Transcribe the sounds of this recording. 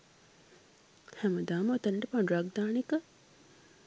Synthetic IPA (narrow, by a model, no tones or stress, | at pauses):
hɛməd̪aːməot̪əɳʈepaɳuɾaɡ̚d̪aːnikə